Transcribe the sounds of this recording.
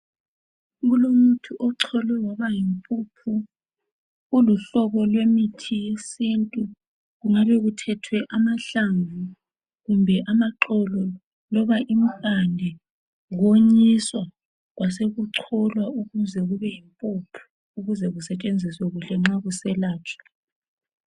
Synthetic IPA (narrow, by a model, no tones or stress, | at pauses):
ɣulomutʰuʔɔǀʰɔlɛwaβajimpʼupʰu | uluɬɔβɔlwemitʰijesintʼu | ɣuŋaβɛɣutʰɛtʰwɛʔamaɬaɱvu | ɣumbʱɛʔamaǁɔlɔ | lɔβaʔim̩kʼandʱɛ | ɣoɲiswa | ɣwaseɣuǀʰɔlwauɣuzɛɣuβɛjimpʼupʰu̥ | uɣuzɛɣusɛt͡ʃʼend͡zʱiswɛɣuɬɛŋ͡ǁaɣusɛlaːt͡ʃʰʼḁ